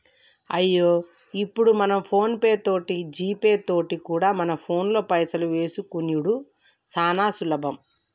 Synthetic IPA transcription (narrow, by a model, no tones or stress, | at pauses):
ɐjːoː | ipːuɽumɐnɐmpʰo̞ːnpe̞ːt̪o̞ːʈid͡ʒiːpe̞ːt̪o̞ːʈikuːɽaːmɐnɐpʰo̞ːnlo̞ːpɐjsɐluʋe̞ːsukunjuɽu | saːnaːsulɐbʱɐm